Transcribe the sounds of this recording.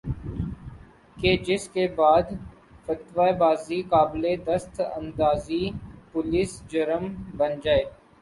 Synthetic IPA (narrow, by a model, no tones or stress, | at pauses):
ked͡ʒɪskebaːd̪ | fət̪ʋaːebaːzikaːbled̪əst̪ə̰̃nd̪aːzipʊliːsd͡ʒəɾəmbənd͡ʒaːeː